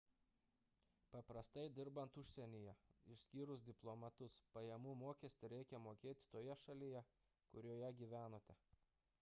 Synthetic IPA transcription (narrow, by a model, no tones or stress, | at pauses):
pɐpɾɐst̪ɐɪd̪ʲɪɾbɐnt̪ʊʃʲsʲɛnʲɪjɛɪʃʲsʲkʲiːɾʊsd̪ʲɪplˠomɐt̪ʊspɐjɛmuːmoːkʲɛsʲt̪ʲɪɾʲɛɪkʲɛmoːkʲeːt̪ʲɪ̥t̪oːjɛʃɐlʲɪjɛ | kʊɾʲoːjɛɡʲiːʋʲæːnoːt̪ʲɛ